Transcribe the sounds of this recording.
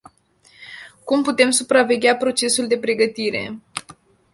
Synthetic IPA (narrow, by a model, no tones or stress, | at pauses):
kumput̪e̞msupɾave̞ɡʲapɾo̞t͡ʃe̞suld̪e̞pɾe̞ɡət̪iɾe̞̰